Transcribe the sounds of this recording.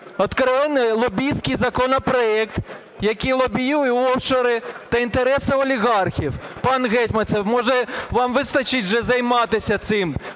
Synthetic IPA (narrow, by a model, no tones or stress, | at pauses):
ɔt̪kɾɔʋɪnɪlˠɔbʲijsʲkɪjzɐkɔnɔpɾɔɛkt̪ | jɐkijlˠɔbʲijujɛɔwt͡ʃɔɾɪt̪ɐint̪eɾɛsɪɔlʲiɣɑrxʲiwpɑnɣɛtʲmɐsʲɛwmɔʒɛʋɑmʋɪst̪ɐt͡ʃɪtʲʒɛzɐjmɑt̪ɪsʲɐt̪sɪm